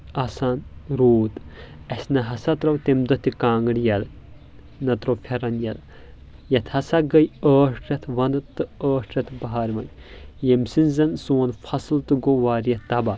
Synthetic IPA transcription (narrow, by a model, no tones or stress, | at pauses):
aːsaːnɾoːt̪ | ɐsʲnɐɦɐsat̪ɾɐwt̪emd̪ɐt̪ikãːŋɡɽjɐl | nɐt̪ɾɐwfʰʲɐɾɐnjɐl | jɐt̪ʰhɐsaɡɐjəːʂʈɾʲɐt̪ʰʋɐ̃nd̪ɨt̪ɨəːʂʈɾʲɐt̪ʰbɐɦaːɾʋɐ̰n | jemsinzɐnsoːnfʰɐslt̪ɨɡoʋaːɾjɐt̪ɐba